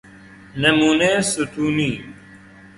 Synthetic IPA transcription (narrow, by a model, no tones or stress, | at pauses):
nɐmuːneːsut̪uːniː